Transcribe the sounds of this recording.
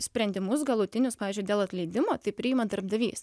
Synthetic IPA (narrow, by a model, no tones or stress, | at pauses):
sʲpʲɾʲɛnʲd̪ʲɪmʊs̬ɡɐlˠʊt̪ʲɪnʲʊspɑːʋʲiːzʲd͡ʒʲʊɪd̪ʲeːlˠɐt̪ʲlʲɛɪd̪ʲɪmoːt̪ɐɪpʲɾʲɪɪmɐd̪ɐɾbd̪ɐʋʲḭːs